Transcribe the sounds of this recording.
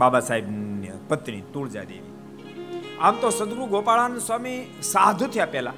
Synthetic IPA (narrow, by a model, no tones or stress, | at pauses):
babasaɦibnəpət̪ɳit̪uːɭd͡ʒa̰d̪ḛʋi | amt̪osəd̪ɾuɡopaɭanuswamisad̪ʱut̪ʰəjapɛla